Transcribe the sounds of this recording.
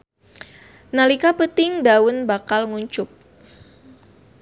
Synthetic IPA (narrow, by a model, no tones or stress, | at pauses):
nalikapət̪ɪŋdawʊnbakalŋuɲt͡ʃʊk̚